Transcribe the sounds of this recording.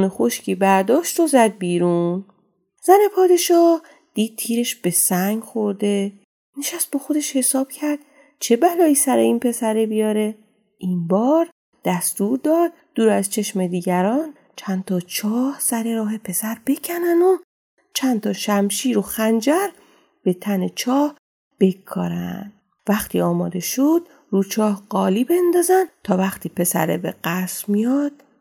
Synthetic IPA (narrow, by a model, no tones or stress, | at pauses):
nexoʃcʰiːbæɾd̪ɒːʃt̪ozæd̪̚biːɾun | z̥æne̞pʰɒːd̪e̞ʃɒːh | d̪̥iːd̪̥̚t̪ʰiːɾe̞ʃb̥e̞sæŋɡxo̞ɾd̪e̞ | neʃæst̪̚bexo̞d̪e̞ʃhe̞sɒːb̥cʰæɾd̪̚ | t͡ʃʰe̞bælɒːiːsæɾe̞iːnpʰe̞sæɾebijɒːɾe̞ | ʔinbɒːɾ | d̪̥æst̪uːɾd̪ɒːd̪̥̚ | d̪̥uːɾæzt͡ʃʰe̞ʃme̞d̪iːɟæɾɒːn | t͡ʃʰænt̪ʰɒt͡ʃʰɒːhsæɾe̞ɾɒːɦe̞pʰe̞sæɾbe̞cʰænæno | t͡ʃʰænt̪ʰɒːʃæmʃiːɾo̞xænd͡ʒæɾ | b̥e̞t̪ʰæne̞t͡ʃʰɒːh | b̥e̞kʰːɒ̰ːɾæ̰nd̪̥ | væxt̪ʰiːɒːmɒːd̪e̞ʃod̪̥̚ | ruːt͡ʃʰɒːhɢɒːliːbe̞nd̪ɒːzænd̪t̪ʰɒːvæxt̪ʰiːpʰe̞sæ̰ɾḛbḛɢ̥æsmijɒd̪̥